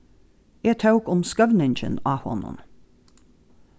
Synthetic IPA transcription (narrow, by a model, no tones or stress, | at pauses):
eːt̪ʰɑʊkʊmskœʋnɪnçə̰nɑːhɔ̰nʊ̰n